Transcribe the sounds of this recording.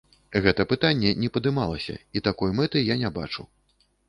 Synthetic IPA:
ɣɛt̪ɐpɨt̪anʲːɛnʲɛpɐd̪ɨmalˠɐsʲɐ̰it̪akɔjmɛt̪ɨjanʲaba̰t͡ʂu

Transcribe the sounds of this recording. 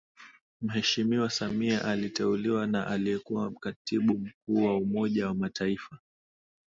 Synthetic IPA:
m̩ɦɛʃimiwasamiaʔalitɛuliwanaʔalijɛkuwam̩katiɓum̩k̚uːwaumɔʄawamataifa

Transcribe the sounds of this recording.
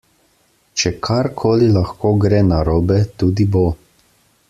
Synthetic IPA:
t͡ʃɛkʰaɾkʰoːlilaxkoːɡɾɛːnaɾoːbɛt̪uːd̪ibo

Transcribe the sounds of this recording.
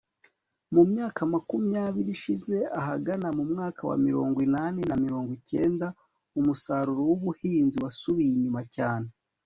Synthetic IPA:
mumɲaːkamakumijaβiɾiʃize̞aɦaɡanamumŋaːkawa̰miɾo̞̰ːŋɡwinanenamiɾo̞ːŋɡwice̞ːnda | umusaɾuɾowuβuhiːnziwasuβijiɲumacaːne

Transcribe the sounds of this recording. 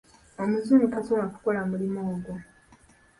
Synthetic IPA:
omuzumiʔatomaku̥ko̞lamulimoːɡo

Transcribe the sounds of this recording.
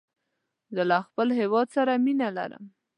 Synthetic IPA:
zəlaxpəlɦewɑd̪saɾaminala̰ɾə̰m

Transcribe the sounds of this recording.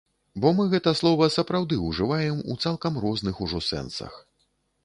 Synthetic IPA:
bɔmɨɣɛt̪ɐslˠɔvɐsɐpɾawd̪ɨuʐɨvajɛmṵt̪salˠkɐmrɔznɨxuʐɔsɛ̰nsɐ̰x

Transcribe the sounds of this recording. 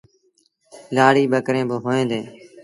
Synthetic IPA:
laːɽiːɓəkɾẽːbəɦoːẽːd̪ẽː

